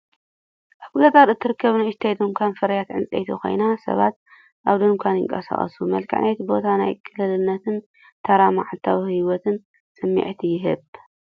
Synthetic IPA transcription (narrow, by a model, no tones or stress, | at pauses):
ʔaβkɨlɐt̪ʼaɾɨt̪ʰːɨɾɨkʰːɐβnɨɨʃt̪ʰajd̪ɨŋkʷʰanfɐɾɐjat̪ʕɨnt͡sʼḛjt̪ʰikʰo̞̰jnasɐ̰βat̪̚ | ʔaβd̪ɨŋkʷʰanjɪ̰ŋkʼɐsa̰χʼɐ̰sumɐlkʰʼa̰ʕnet̪bo̞t̪ʰana̰jkʰʼɨlɨlɨnːɐt̪ʰɨn | t̪ʰɐɾamaʕat̪ʰːawihiwɔt̪ʰɨn | sʼɨmːḭʕt̪ʰijɪɦɨβ